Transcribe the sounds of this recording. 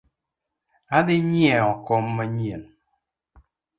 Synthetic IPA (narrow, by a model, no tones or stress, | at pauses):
adɪɲjɛɔkɔmːaɲen